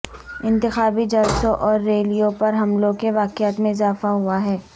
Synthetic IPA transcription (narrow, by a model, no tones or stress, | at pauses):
ɪ̃nt̪ɪxaːbid͡ʒalsõʔɔːɾːeːlijõpɐɾɦɐmlõkeʋaːkɪaːt̪mẽɪzaːfaɦuaɦɛː